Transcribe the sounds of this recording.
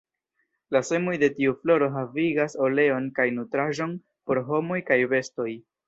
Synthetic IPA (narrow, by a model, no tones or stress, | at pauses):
lase̞mo̞jde̞tiuflo̞ɾo̞ɦaviɡaso̞le̞o̞nkajnutɾaʒo̞n | po̞ɾɦo̞mo̞jkajve̞sto̞j